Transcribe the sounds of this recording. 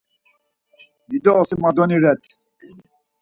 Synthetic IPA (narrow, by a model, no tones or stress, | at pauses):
did̪ɔːsimad̪ɔniɾɛt̪ʰ